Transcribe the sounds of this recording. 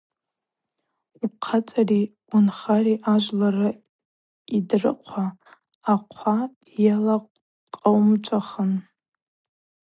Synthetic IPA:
ip̚qʰat͡sʼari | unχariʔaʒʷlarɨ | idrɨ̰qʷʰaː | qʷʰa | jalaqʷʼ | qʼawmt͡ʃʷʼaχən

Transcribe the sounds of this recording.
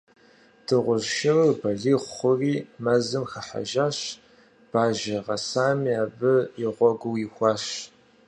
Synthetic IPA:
d̥ɨʁʷʊʒʃɪrbɐɮiːχʷχʷʊriːmɐzɨmxɐħa̰ʒaːɕ | b̥aːʒɐʁɐsaːmiaːbɨjɪʁʷɔɡʷʊwixʷɑːʃ

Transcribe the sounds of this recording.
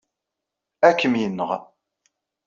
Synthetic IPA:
ækːəmjənːəʁ

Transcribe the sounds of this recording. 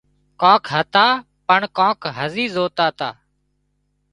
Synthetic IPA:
kãːkʰɦət̪aː | pəɳkãːkʰɦəziːzoːt̪aːt̪aː

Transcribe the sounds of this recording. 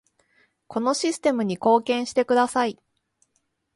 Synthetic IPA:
ko̞no̞ɕisɨ̥t̪e̞mɯ̟ɲ̟iko̞ːkẽ̞ɰ̃ɕi̥t̪e̞kɯ̟d̪asai

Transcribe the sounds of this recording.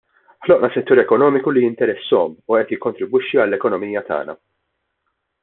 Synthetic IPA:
ħlɔʔnɐsɛt̪ːuːɾɛkɔnɔːmɪkulijɪnt̪ɛɾɛsːɔmuɛːt̪jɪkːɔnt̪ɾɪbwɪʃːiɐlːɛkɔnɔmiːjɐt̪ɐ̰ːnɐ̰

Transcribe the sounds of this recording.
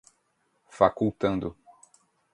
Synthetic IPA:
fakuwt̪ɐ̃nd̪ʊ

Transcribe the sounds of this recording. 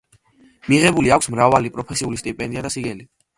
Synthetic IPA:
miʁɛbuliakʷʰsmɾavalipʼɾɔpʰɛsiulist̪ʼipʼɛnd̪iad̪asiɡɛli

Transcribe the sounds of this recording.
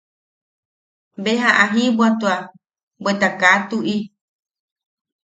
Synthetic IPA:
mbeɦaʔaɦĩbwat̪ua | bwet̪akat̪uʔi

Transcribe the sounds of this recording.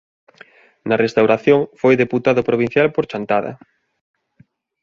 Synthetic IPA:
nɐrest̪awɾaθjoŋfojðeput̪aðʊpɾoβin̟θjalpoɾt͡ʃant̪aðɐ̰

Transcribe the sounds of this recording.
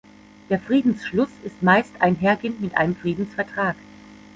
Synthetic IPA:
d̥eːɐfʁ̥iːdn̩sʃlʊsɪstmaɪstaɪnɦeːɐɡeːnmɪtʔa̰ɪnəmfʁ̥iːdn̩sfɛɐtʁ̥aːk

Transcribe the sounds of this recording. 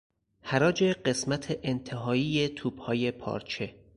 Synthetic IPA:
hæɾɒːd͡ʒe̞ɢe̞smæt̪ʰeʔːnt̪ʰe̞ɦɒːiːje̞t̪ʰuːb̥hɒːje̞pʰɒ̰ːɾt͡ʃʰe̞

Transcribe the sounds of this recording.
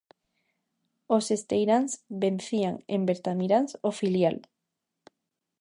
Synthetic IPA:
osest̪ejɾansbẽn̟θiaŋḛmbeɾt̪amiɾansofiljal

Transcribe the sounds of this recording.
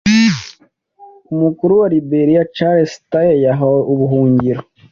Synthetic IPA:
umukuɾuaɾibeɾijat͡ʃaɾesi̥t̪ajejaɦouβuɦuːɲɟiɾo

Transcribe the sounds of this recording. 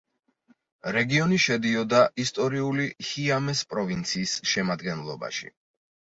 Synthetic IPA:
ɾɛɡiɔniʃɛd̪iɔd̪aʔist̪ʼɔɾiulihiamɛspʼɾɔvint̪sʰiːsʃɛmad̪ɡɛnlˠɔ̰ba̰ʃḭ

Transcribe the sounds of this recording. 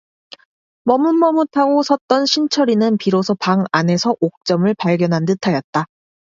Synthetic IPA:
mʌmunmʌmutʰaɡosʰʌt̚t͈ʌnɕʰint͡ɕʰʌɾinɯnpiɾosʰʌpaŋane̞sʰʌʔok̚t͡ɕ͈ʌmɯɭpaɭɡjʌnɦantɯtʰajʌt̚t͈a

